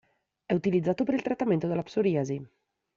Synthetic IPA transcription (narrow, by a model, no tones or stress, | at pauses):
ɛut̪ilid̪zaːt̪opeɾilt̪ɾat̪ːament̪od̪elːapsoɾiazi